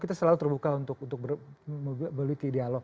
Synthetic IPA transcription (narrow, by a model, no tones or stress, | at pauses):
kit̪asəlalut̪ərbukaunt̪ʊk̚unt̪ʊk̚bəmməluikəidealɔ